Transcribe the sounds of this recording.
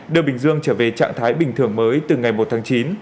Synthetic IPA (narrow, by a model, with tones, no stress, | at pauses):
ɗɨ˨˩əɓï˨˩ŋ̟zɨ˧əŋt͡ɕəː˧˩ve˨˩t͡ɕa̰ː˧˨ŋt̪ʰaː˨˦jɓï˨˩ŋʰɨ˧˩əŋməː˨˦jt̪ɨ˨˩ŋa˨˩jmo˨˩t̚t̪ʰaː˨˦ŋt͡ɕi˨˦n